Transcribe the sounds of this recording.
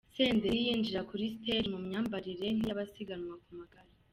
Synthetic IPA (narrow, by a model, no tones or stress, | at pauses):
se̞ːndejiːnd͡ʒiɾakuɾisteɾimumɲaːmbaɾiɾe̞nijaβasiɡanwakumaɡaɾa